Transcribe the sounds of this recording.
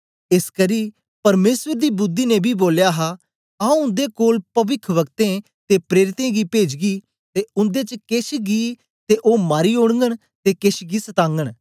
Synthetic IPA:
ɪskəɾiː | pɐɾmeːswəɾd̪iːbʊd̪ːiːneːbʱiːboːljaːɦaː | ãːũʊ̃nd̪eːkoːlpɐʋɪkʰʋəkt̪ẽː | t̪eːpɾeːɾɪt̪ẽːɡiːpeːd͡ʒɡiː | t̪eːʊ̃nd̪eːt͡ʃkeʃʰɡiː | t̪eːʔoːmaːɾiːʊɽ̃ŋɡəɽ | t̪eːkeʃɡiːsət̪ãːŋɡəɽ̃

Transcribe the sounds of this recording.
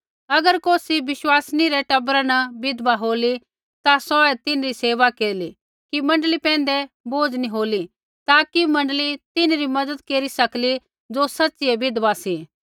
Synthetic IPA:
ɐɡəɾkoːsiʋɪʃwaːsniɾɛʈɐbɾanɐbɪd̪baɦoːli | t̪asɔɛt̪ɪnɾiseːʋakeːli | kimɐ̃ɳɖlipɛ̃ːnd̪ɛ | boːd͡znĩɦoːli | t̪aːkimɐ̃ɳɖəlit̪ɪnɾimɐd̪əd̪keːɾisɐkli | d͡zosɐtːsiɛbɪd̪ʋasi

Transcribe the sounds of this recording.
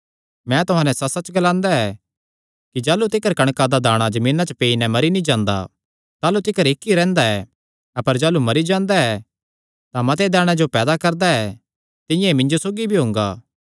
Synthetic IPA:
mɛ̃t̪ʊɦãːnɛsɐsɐt͡ʃɡɐlãːnd̪aɛ | kid͡ʒaːlut̪ɪkəɾkɐɽ̃kad̪ad̪aːɽ̃ad͡ʒɐmĩːnat͡ʃəpeːinɛmɐɾinĩd͡ʒãːnd̪a̰ | t̪aːlut̪ɪkəɾɪkːiɾɛ̃ːnd̪aɛ | ɐpəɾd͡ʒaːlumɐɾid͡ʒãːnd̪aɛ | t̪ãmɐt̪ed̪aːɽ̃ad͡ʒopɛːd̪akɐɾd̪aɛ | t̪ɪ̃jãemɪ̃ɲd͡ʒosoːɡibʱiɦõːŋɡa̰ː

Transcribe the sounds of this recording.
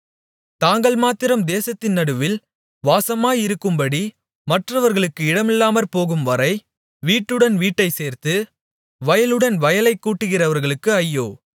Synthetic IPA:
t̪aːŋɡɐɭmaːt̪ɪɾɐmd̪eːsɐt̪ːɪnːɐɽɯʋɪl | ʋaːsɐmaːjɪɾɯkːɯmbɐɽi | mɐʈrɐʋɐɾɣɐɭɯkːɯɪɽɐmɪlːaːmɐɾpoːɣɯmʋɐɾɐɪ | ʋiːʈːɯɽɐnʋiːʈːɐɪseːɾt̪ɯ | ʋɐjɐlɯɽɐnʋɐjɐlɐɪkːuːʈːɯɣɪrɐʋɐɾɣɐɭɯkːɯɐjːoː

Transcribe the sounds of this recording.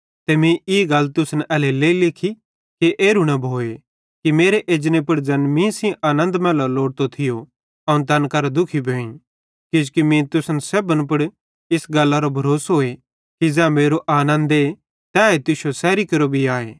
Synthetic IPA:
t̪emĩiːɡɐlt̪ʊsnɛːleleːlɪkʰi | keʔeːɾunɐbʱoːe | kimeːɾeʔeːd͡ʒnep̬ʊɽd͡ʒɐnmĩsĩaːnə̃nd̪mɛ̃ːloloːɽt̪ot̪ʰɪjo | ɐnt̪̬ɐnkɐɾd̪ʊkʰibʱeːĩ | kɪd͡ʒkimĩt̪ʊsnseːbənp̬ɐɽ | ɪsɡɐlːaɾobʱɐɾoːsɦoːe | kid͡ʒɛ̃ːmeːɾoʔaːnə̃nd̪e | t̪ɛːet̪ʊʃosɛːɾikɐɾobʱiaːḛː

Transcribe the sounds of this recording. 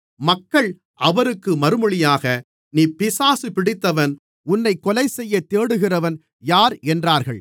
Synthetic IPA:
mɐkːɐɭ | ʔɐʋɐɾɯkːɯmɐɾɯmɔɭɪjaːɣɐ | niːpɪsaːsɯpɪɽɪt̪ːɐʋɐn | ʊnːɐɪkːɔlɐɪsɛjːɐt̪ːeːɽɯɣɪrɐʋɐn | jaːɾɛndraːɾɣɐ̰ɭ

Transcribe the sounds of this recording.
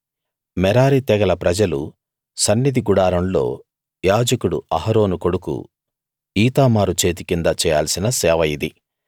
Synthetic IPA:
mɛɾaːɾit̪ɛɡɐlɐpɾɐd͡ʒɐlṵ | sɐnːid̪ʱiɡuɽaːɾɐmlo̞̰ː | jaːd͡ʒɐkuɽṵɐɦɐɾo̞ːnuko̞ɽukṵ | iːt̪aːmaːɾut͡ʃe̞ːt̪̬ikind̪ɐt͡ʃɛːjaːlsinɐsɛːʋɐjid̪i

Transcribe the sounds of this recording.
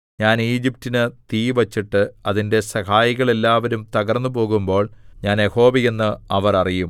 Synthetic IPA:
ɲaːniːd͡ʑiptːinɨt̪iːʋɐt͡ɕːiʈːɨɐðinde̞sɐhaːjiɣɐɭe̞lːaːʋɐɾumt̪ɐɣɐrnːupo̞ːɣumbo̞ːɭɲaːneho̞ːbijenːɨɐʋɐrɐrijum

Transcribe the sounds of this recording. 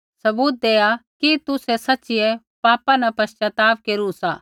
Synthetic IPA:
sɐbuːt̪̚d̪eːjakit̪ʊsesɐtːʃɪɛ | paːpãnɐpɐst͡ʃɐt̪aːʋkeːɾusa̰ː

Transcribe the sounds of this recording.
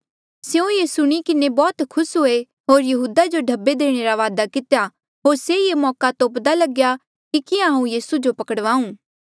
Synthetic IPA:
seũjeːsʊɽ̃ikɪnebɔːt̪kʰʊsɦʊe | ɦoːɾjɐɦuːd̪ad͡ʒoɖʱɐbed̪eːɽ̃eːɾaʋaːd̪akɪt̪ja | ɦoːɾsejemɔːkat̪oːpd̪alɐɡja | kikɪãɦũjiːsud͡ʒopɐkəɽʋãːũː

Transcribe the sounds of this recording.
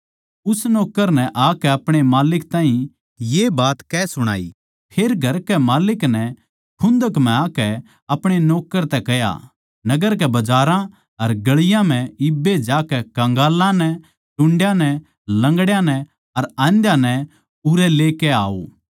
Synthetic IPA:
ʊsnɔːkːəɾnɛʔaːkɛɐpɽ̃emaːlɪk̚t̪ãːɦĩ | jebaːt̪kɛsʊɽ̃a̰ːḭ | pʰeːɾɡʱɐɾkɛmaːlɪknɛ | kʰʊ̃nd̪əkmɛ̃aːkɛ | ɐpɽ̃enɔːkːəɾt̪ɛkɛja̰ | nɐɡəɾk̬ɛbɐd͡ʒaːɾã | ɐɾɡɐɭɪjãm̤ɛ̃ɪbːed͡ʒaːkɛkɐ̃ŋɡaːlːãnɛ | ʈʊ̃ɳɖjãnɛ | lɐ̃ŋɡɽjãnɛ | ɐɾãːnd̪jãnɛ | ʊɾɛleːkɛaːo̰ː

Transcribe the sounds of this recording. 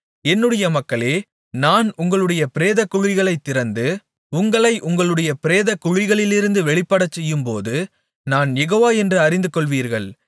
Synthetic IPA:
ɛnːɯɽɐjɐmɐkːɐɭeː | naːnʊŋɡɐɭɯɽɐjɐpɪɾeːðɐkːʊɻɪɣɐɭɐɪt̪ːɪɾɐnd̪ɯ | ʊŋɡɐɭɐɪʔʊŋɡɐɭɯɽɐjɐpɪɾeːðɐkːʊɻɪɣɐɭɪlɪɾɯnd̪ɯʋɛɭɪpːɐɽɐt͡ʃːɛjːɯmpo̰ːðɯ | naːnjɛɣoːʋaːɛndrɯɐɾɪnd̪ɯkɔɭʋiːɾɣɐɭ

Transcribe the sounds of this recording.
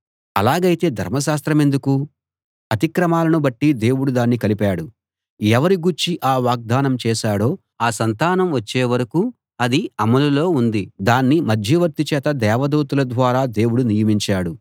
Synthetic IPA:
ɐ̰laːɡɐjt̪e̞ːd̪ʱɐ̰ɾmɐʃ̬aːs̬t̪ɾɐme̞nd̪uku | ɐt̪ikɾɐmaːlɐnubɐʈːid̪e̞ːwuɽud̪aːnːikɐlipaːɽu | ɛʋɐɾiɡuɾt͡ʃiʔaːʋaːɡ̚d̪aːnɐmt͡ʃɛːʃaːɽo̞ː | aːsɐnt̪aːnɐmʋɐt͡ʃːeːʋɐɾɐku | ɐd̪iɐmɐlulo̞ːund̪id̪aːnːimɐd̪ʱɐʋɐɾt̪it͡ʃɛːt̪ɐd̪ɛːʋɐd̪uːt̪ulɐd̪ʋaːɾaːd̪e̞ːwuɽunijɐmiɲt͡ʃaːɽu

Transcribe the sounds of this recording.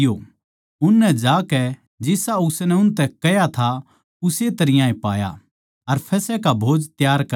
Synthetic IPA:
jo | ʊnːɛd͡ʒaːkɛ | d͡ʒɪsaʊsnɛʊnt̪ɛkɐjat̪ʰa | ʊset̪ɐɾɪjãẽpa̰ːja̰ | ɐɾpʰɛsɛkabʱoːd͡ʒt̪jaːɾkɐ

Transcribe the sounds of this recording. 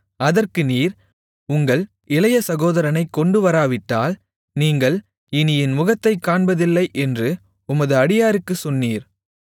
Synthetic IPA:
ɐðɐrkɯniːɾ | ʊŋɡɐɭ | ɪlɐjɐsɐɣoːðɐɾɐnɐɪkːɔɳɖɯʋɐɾaːʋɪʈːaːl | niːŋɡɐɭ | ɪnɪjɪnmʊɣɐt̪ːɐɪkːaːɳbɐðɪlːɐɪʔɛndrɯ | ʊmɐðɯɐɽɪjaːɾɯkːɯsɔnːiːɾ

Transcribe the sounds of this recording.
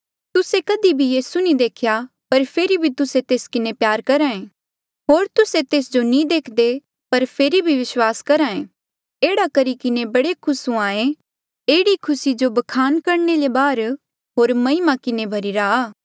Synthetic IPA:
t̪ʊsekɐd̪ibʱijiːsunĩd̪eːkʰja | pɐɾpʰeːɾibʱit̪ʊset̪eːskɪnepjaːɾkɐɾaːẽ | ɦoːɾt̪ʊset̪eːsd͡ʒonĩd̪eːkʰd̪e | pɐɾpʰeːɾibʱiʋɪʃwaːskɐɾãːẽ | eːɽakɐɾikɪnebɐɽekʰʊsũaːẽ | eːɽikʰʊsid͡ʒobɐkʰaːnkɐɽɳelebaːɾ | ɦoːɾmɐimakɪnebʱɐɾiɾaaː

